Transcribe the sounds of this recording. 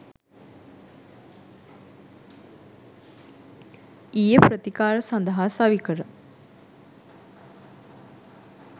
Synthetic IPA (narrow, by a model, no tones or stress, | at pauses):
ijəprət̪ikaːɾəsand̪əɦaːsaʋikəɾə